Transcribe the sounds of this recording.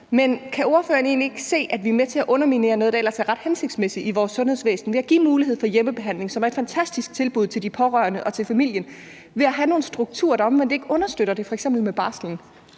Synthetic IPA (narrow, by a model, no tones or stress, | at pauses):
menkʰæo̝ɐfø̰ːɐne̝̰ːnlie̝ɡ̥əse̝̰ːʔæd̥ʋiæɐmet͡sʰe̝æʔɔ̽nɐmine̝̰ːɐnɔ̽ð̞ˠd̥ɑelɐsæɐʁɑ̈d̥hense̝ɡ̥d̥smesiiʋɒːsːɔ̽nhe̝ð̞̰ˠsʋḛːsn̩ʋe̝æɡ̥ḭːmuːliɦe̝ð̰ˠfɒ̽jeməb̥e̝ɦæn̰le̝ŋsɒmæɐe̝d̥fænt͡sʰæsd̥isɡ̥̚t͡sʰe̝lb̥uð̞̰ˠt͡sʰe̝ld̥ipʰɒ̽ʁɶɐnəʔɒ̽t͡sʰe̝lfæmil̰jən | ʋe̝æɦæno̝ːn̩sd̥ʁuɡ̥̚t͡sʰṵːɐ̰ɾ̥ɑ̈ɒ̽mʋen̰d̥e̝ɡ̥ʔɔ̽nɐsd̥øɾ̥ɐd̥e̝fɒ̽eɡ̥sem̰bl̩meb̥ɑ̈ːsl̩n̩